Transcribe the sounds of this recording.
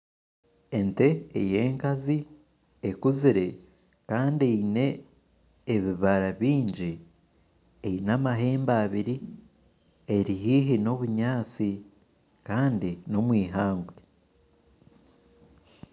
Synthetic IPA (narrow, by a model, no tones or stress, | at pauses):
e̞nte̞eje̞ːŋkazi | ekuziɾe̞ | kaːndieine̞ː | βiβaɾaβiːɲɟi | einamaɦe̞ːmbaːβiɾi | e̞ɾiɦiːɦino̞βuɲaːt͡si | kaːndino̞mwiːɦaːŋɡwe